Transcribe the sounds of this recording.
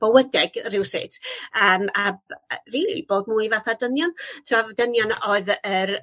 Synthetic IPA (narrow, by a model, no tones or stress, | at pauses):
b̥əwədɛɡrɪwsɪ̰tʰəːmabriːlḭboːd̚muːɨvaθadənjɔntʰɪmɔvdənjɔnoɨðəɾ